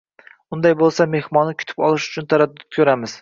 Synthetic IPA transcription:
ʊnd̪ajbolˠsame̞hmɒnːɪkʲʰʊ̥t̪ʰɪ̥pɒlˠɪʃʊ̥t͡ʃʰʊnt̪ʰaɾad̪ːʊt̪̚kʰʲɵɾamɪz̥

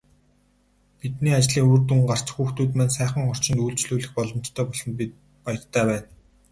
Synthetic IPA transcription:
pit̪niːat͡ɕɮiːŋoːrt̪uŋɢar̥t͡ɕxuːxt̪uːt̪mæːnsæːχə̆ŋχɔr̥t͡ɕɪ̆nt̪uːɮt͡ɕɮuːɮɘ̆xpɔɮɞ̆m̥t͡ɕt̪ʰœːpɔɮɞ̆np̬it̪̚ | pajə̆rt̪ʰæːpæːn

